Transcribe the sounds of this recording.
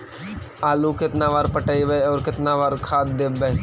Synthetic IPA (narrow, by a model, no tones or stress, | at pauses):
aːluːkɪt̪naːʋaːɾpəʈəiʋeɔːɾkɪt̪naʋaːɾkʰaːt̪̚d̪ebɛ